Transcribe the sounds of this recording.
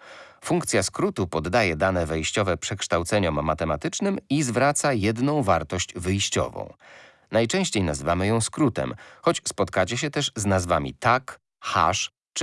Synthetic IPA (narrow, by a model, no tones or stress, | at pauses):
fuŋkt̪sʲjaskɾut̪upɔd̪ːajɛd̪anɛvɛjɕt͡ɕɔvɛpʂɛkʂt̪awt̪sɛɲɔmːat̪ɛmat̪ɘt͡ʂnɘmizvɾat̪sajɛd̪nɔ̃w̃vaɾt̪ɔɕd͡ʑvɘjɕt͡ɕɔ̰vɔ̰̃w̃ | najt͡ʂɛ̃w̃ɕt͡ɕejnazɘvamɘjɔ̃w̃skɾut̪ɛ̰mxɔt͡ɕspɔt̪kat͡ɕɛɕ̬ɛt̪ɛʂznazvamʲḭt̪ak | xa̰ʂ | t͡ʂ